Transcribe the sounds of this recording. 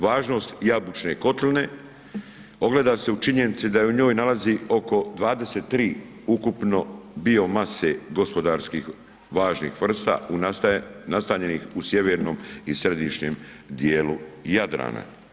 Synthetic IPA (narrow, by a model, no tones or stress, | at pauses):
ʋaːʒno̞st̪jabut͡ʃne̞ko̞t̪line | o̞ɡle̞ːd̪ase̞ut͡ʃiɲe̞nit̪sid̪ajeuɲo̞ːjnalazio̞ko̞d̪ʋaːd̪e̞set̪ːɾiː | ukupno̞bio̞mase̞ɡo̞spo̞d̪aːɾskiːx | ʋaːʒnḭxʋr̩st̪a̰unast̪aːɲe̞nixusje̞ʋeɾno̞ːmisɾed̪iʃɲem | d̪jeːlujad̪ɾa̰ːna̰